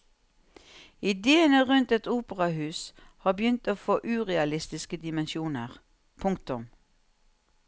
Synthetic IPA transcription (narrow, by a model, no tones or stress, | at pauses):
ɪd̪eːənəʁʉnt̪ɛt̪uːpəʁɑhʉːshɑːbəjʏnt̪oːfoːʔʉːʁɛɑlɪst̪ɪskəd̪ɪmənʃuːnəʁ | pʰʊŋkt̪ʊm